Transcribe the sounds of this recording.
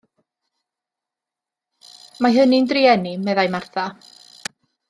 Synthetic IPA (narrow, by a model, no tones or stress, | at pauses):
maɦənindriɛnimɛðajmarθa